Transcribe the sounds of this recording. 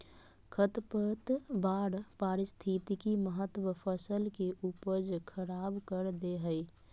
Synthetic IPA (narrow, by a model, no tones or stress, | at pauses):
kʰət̪pəɾt̪baɾpaɾɪst̪ʰit̪ikiməɦət̪ːwəpʰəsəlkeʔupəd͡ʒkʰəɾabkəɾd̪eɦəɪ